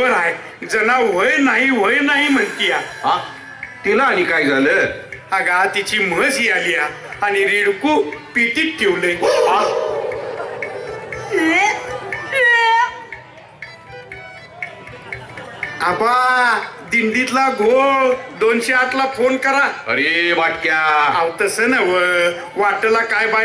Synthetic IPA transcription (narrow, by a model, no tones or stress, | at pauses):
ənaj | d͡zənaʋ̤əjnaɦiʋ̤əjnaɦim̤əɳt̪ijaɦã | t̪ilaːɽ̃ikajd͡zaləəɡat̪it͡ɕim̤əd͡zɦiːalia | añiɾiɽkupit̪iːt̪̚kʰːewleɦa | e | aba | d̪iɳɖ̪it̪laɡʱoɭd̪onɕeaʈlafʰonkəɾaə̰ɾeʋaʈkjaawt̪əsənaʋə | ʋaʈəlakajbaj